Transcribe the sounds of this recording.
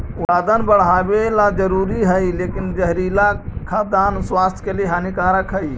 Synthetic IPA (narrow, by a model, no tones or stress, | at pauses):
uɾad̪ənbəɽ̤ɦabelad͡ʒəɾuɾiɦəjlekind͡ʒəɦɾilakʰad̪answast̪ʰkeleɦanikaɾəkʰəj